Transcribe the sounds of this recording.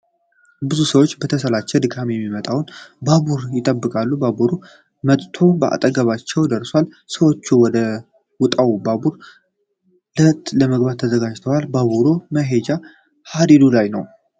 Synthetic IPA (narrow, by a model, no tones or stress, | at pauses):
bɨzusəwo̞t͡ʃːbət̪ʰəsəlat͡ʃːɛd̪ɨɡamjɛmːimət̪ʼawnbaβuɾjɪt̪ʼəbːɨkʼalːubabuɾu | mət̪ʼt̪ʰo̞bəʔa̰t̪ʼəɡəβat͡ʃːɛwd̪əɾswal | səwo̞t͡ʃːuwɔd̪ə | wʊt̪ʼawbabuɾ | lət̪ləməɡbat̪ʰːəzəɡad͡ʒt̪ʰəwalbaβuɾuməɦe̞d͡ʒa | had̪ed̪ulajnəw